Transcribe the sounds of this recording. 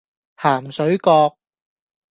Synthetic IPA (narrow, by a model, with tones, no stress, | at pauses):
haː˨˩msɵ˨˥ɥkɔː˧k̚